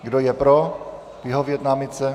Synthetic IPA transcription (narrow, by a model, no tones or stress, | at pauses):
ɡdojɛpɾo | vɪɦovjɛt̪namɪt͡sɛ